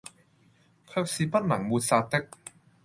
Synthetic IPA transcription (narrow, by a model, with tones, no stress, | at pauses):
kʰœː˧k̚siː˧pɐ˥t̚nɐ˨˩˦ŋmuː˧t̚saː˧t̪e˥k̚